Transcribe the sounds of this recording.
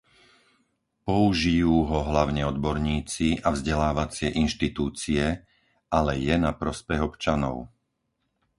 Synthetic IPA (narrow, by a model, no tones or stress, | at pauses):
pɔuʒijuːɦɔɦlaʊɲɛɔd̪bɔɾɲiːt͡siʔavzɟɛlaːʋat͡sɪɛʔinʃt̪it̪uːt͡siɛ | ʔalɛjɛnapɾɔspɛɣɔpt͡ʃanɔ̰ʊ